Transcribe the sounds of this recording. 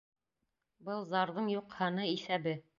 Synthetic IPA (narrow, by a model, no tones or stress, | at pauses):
bɤlˠzɑɾðɤɴjuqhɑnɤisæbɘ